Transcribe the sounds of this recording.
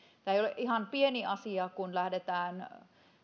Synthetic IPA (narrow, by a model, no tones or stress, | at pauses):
t̪æːeijoleʔihɑmpieniɑsiɑkunlæhdet̪æːn